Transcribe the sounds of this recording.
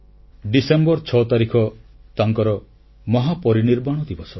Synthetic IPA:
ɖisembɔɾt͡ʃʰɔt̪aɾikʰɔt̪aŋkɔɾɔ | mɔɦapɔɾiniɾbaɽ̃ɔd̪ibɔsʰɔ

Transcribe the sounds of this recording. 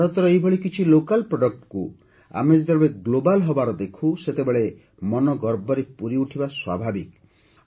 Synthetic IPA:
ɾɔt̪ɔɾɔejbʱɔɭikit͡ʃʰilokalpɾɔɖɔk̚ʈku | a̰med͡ʒd̪ɔɾbeɡlobalɦɔbaɾɔd̪ekʰuset̪ebeɭe | mɔnɔɡɔɾbɔɾepuɾiuʈʰibaswa̰bʱabik

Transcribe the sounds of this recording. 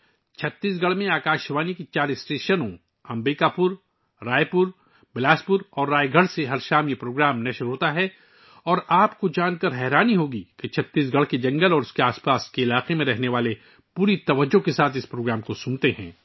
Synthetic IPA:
t͡ʃʰɐt̪ːiːsɡɐɽmẽaːkaːʃʋaːnikit͡ʃaːɾɪsʈeːʃənõ | ɐ̃mbiːkapʊɾ | ɾaːepʊɾ | bɪlaːspʊɾɔːɾːaːeɡʱɐɽseɦɐɾʃaːmjepɾoːɡɾaːmnɐʃɾɦoːt̪aɦɛ | ɔːɾaːpkod͡ʒaːnkɐɾɦɛːɾaːniɦoːɡiket͡ʃʰɐt̪ːiːs̬ɡɐɽ̤ked͡ʒɐ̃ŋɡəlɔːɾʊskeaːspaːskeɪlaːqemẽɾɛɦneʋaːle | puːɾit̪ɐʋəd͡ʒːokesaːt̪ʰɪspɾoːɡɾaːmkosʊ̃nt̪eɦɛ̰̃ː

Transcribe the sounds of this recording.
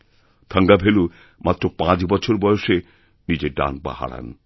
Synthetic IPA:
t̪ʰaŋɡabʱelu | mat̪ːɾopãt͡ɕbɔt͡ɕʰoɾbɔjoʃe | nid͡ʑeɖa̰nba̰ha̰ɽa̰n

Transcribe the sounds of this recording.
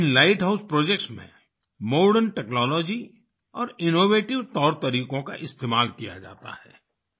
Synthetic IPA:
ɪnlaːɪʈɦaʊspɾoːd͡ʒekʈsmḛ̃ | moːɾɖənʈɛknɔːlɔːd͡ʒi | ɔːɾɪnoːʋeːʈɪʋt̪ɔːɾt̪ɐɾiːkõka̰ʔɪst̪eːmaːlkija̰d͡ʒa̰ːt̪a̰hɛ̰ː

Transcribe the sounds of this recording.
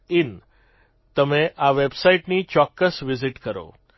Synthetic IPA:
ɪn | t̪əmẽʔaʋebsaiʈnit͡ʃɔkːəsʋɪzɪʈkəɾo̰

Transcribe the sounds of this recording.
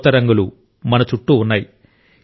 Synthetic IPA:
t̪ɐɾɐŋɡɐɭu | mɐnɐt͡ʃuʈːuːnːaːji

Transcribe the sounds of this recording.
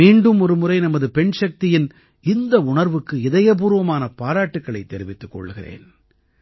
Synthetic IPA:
iːɳɖɯmɔɾɯmɯrɐɪnɐmɐðɯpɛɳʂɐk̚t̪ɪjɪn | ɪnd̪ɐʊɳɐɾʋɯkːɯɪðɐjɐp̬uːɾɯʋɐmaːnɐpaːɾaːʈːɯkːɐɭɐɪt̪ːɛɾɪʋɪt̪ːɯkːɔ̰ɭːɯɣɪrḛːn

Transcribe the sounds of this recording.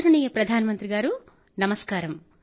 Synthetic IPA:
ɾuɳijɐpɾɐd̪ʱaːnɐmɐnt̪ɾiɡaːɾu | nɐmɐskaːɾɐm

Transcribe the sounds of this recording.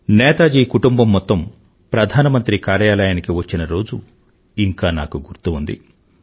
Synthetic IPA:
nɛːt̪aːd͡ʒiːkuʈumbɐmːɔt̪ːɐm | pɾɐd̪ʱaːnɐmɐnt̪ɾikaːɾjaːlɐjaːnikiʋɐt͡ʃːinɐɾo̞ːd͡ʒṵ | iŋkaːna̰ːkuɡuɾt̪uund̪ḭ

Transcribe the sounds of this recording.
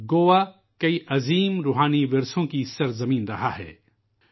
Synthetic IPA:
ɡoːʋa | kɐiʔɐziːmɾuːɦaːniʋɪɾsõkisɐɾzɐmĩːnɾɐɦaɦɛ̰ː

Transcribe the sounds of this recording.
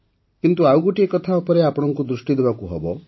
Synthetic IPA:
kint̪uawɡoʈiekɔt̪ʰaupɔɾeapɔɽ̃ɔŋkud̪ɾusʈid̪ebakuɦɔbɔ

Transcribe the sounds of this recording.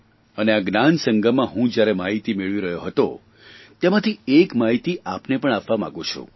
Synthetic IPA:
əneaɡnansəŋɡʱəmãɦũd͡ʒjaɾɛmaɦit̪imeɭʋiɾəɦjoɦət̪o | t̪emãt̪ʰiekmaɦit̪iʔapnepəɳ̃aʋʋamã̰ɡũt͡ʃʰṵ̃

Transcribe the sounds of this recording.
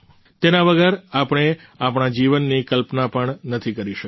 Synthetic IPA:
t̪enaʋəɡəɾapɳ̃e | apɳ̃ad͡ʒiʋənːikəlpnapəɳnət̪ʰikəɾiʃə

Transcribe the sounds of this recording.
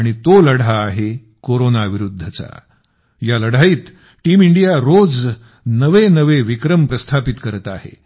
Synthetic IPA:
ɽ̃it̪oləɽ̤aːɦe | koɾonaʋiɾud̪ʱːət͡sa̰ | jaləɽ̤aiːt̪ | ʈiːmiɳɖijaɾod͡z | nəʋenəʋeʋikɾəmpɾəst̪ʰapit̪kəɾət̪aɦḛ

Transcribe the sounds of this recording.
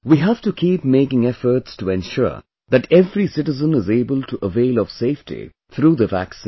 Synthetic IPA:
wiɦæv̥ʈukʰiːpmeɪkɪ̃ŋɛfəɾʈstuɛ̃nʃʊ̰ɹ | ðæʈɛvɾisɪʈɪzə̃nɪzeɪbəlʈuʔəveɪlɔv̥seɪfʈḭ | t̪ʰɾuːd̪əvæksĩ

